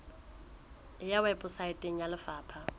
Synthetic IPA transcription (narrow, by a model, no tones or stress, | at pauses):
ɪjawɛpʼʊsaɪtʼeŋ̩jalɪfaːpʰa